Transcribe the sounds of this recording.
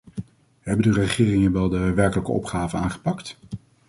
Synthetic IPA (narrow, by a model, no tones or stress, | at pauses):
ɦɛbəndərəχɪːrɪŋənʋɛlˠdəʋɛɹkələkə̰ɔ̰pχaːvəna̰ːnχə̥pɑkt